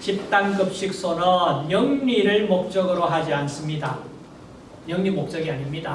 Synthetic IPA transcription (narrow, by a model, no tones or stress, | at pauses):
t͡ɕip̚t͈ankɯp̚ɕ͈ik̚s͈ʰonʌnjʌŋɲiɾɯɭmok̚t͡ɕ͈ʌɡɯɾoɦad͡ʑians͈ɯmɲida | ɲʌŋɲimok̚t͡ɕ͈ʌɡiaɲimɲida